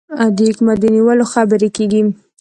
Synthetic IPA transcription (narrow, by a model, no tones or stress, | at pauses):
ad̪əɪkmad̪ːəniwəloxabəɾekeɡi